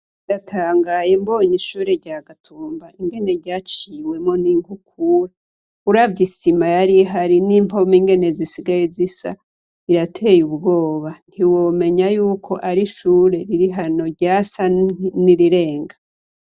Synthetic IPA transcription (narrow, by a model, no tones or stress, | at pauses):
iɾatʰaːŋɡajembo̞ːɲiʃuːɾe̞ɾɟaːɡatʰuːmbaiŋɡe̞ne̞ɾɟaːt͡ʃiːwe̞mŋo̞niŋɡukuɾa | uɾavɟisimajaɾiɦaɾiniːmpo̞miŋɡe̞nezisiɡajezisa̰ | iɾatʰe̞jubɡo̞ːβan̥hiwo̞ːme̞ɲajuːkʰo̞ʔaɾiʃuːɾe̞ɾiɾiɦano̞ɾɟaːsaniɾiɾe̞ːŋɡa